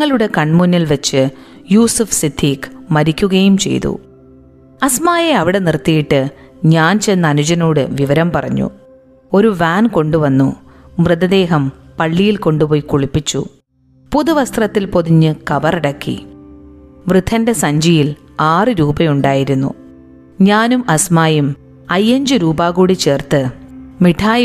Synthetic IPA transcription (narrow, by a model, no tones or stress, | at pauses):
ɐɭuɽe̞kɐɳmunːilʋet͡ɕːɨjuːsufsid̪ʰʱːiːkmɐɾikʲːuɣɐjumt͡ɕe̞̰jt̪ṵ | ɐsmaːjeɐʋiɽe̞nirt̪ːijiʈːɨ | ɲaːnt͡ɕe̞jnːɐːnut͡ɕɐnoːɽɨʋiʋɐɾɐmpɐrɐ̰ɲːṵ | o̞ɾuʋaːnko̞ɳɖuʋɐnːumrɨðɐd̪e̞ːɦɐmpɐɭːijilko̞ɳɖupoːjikuɭipːit͡ɕːṵ | puðuʋɐst̪rɐt̪ːilpo̞ðiɲːɨkɐbɐriɽɐkːḭ | ʋrɨd̪ʱːɐnde̞sɐɲd͡ʑijil | aːrɨɾuːbɐjuɳɖaːjiɾunːṵ | ɲaːnumɐsmaːjum | ɐjːɐɲd͡ʑɨɾuːbaːɣuːɽit͡ɕe̞ːrt̪ɨmiʈʰaːj